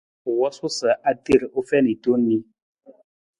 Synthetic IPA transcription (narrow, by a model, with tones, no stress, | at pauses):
wɔ˦su˦sə˨ʔa˦te˦˨ɾo˦fɛ˦ni˨to˦nːi˦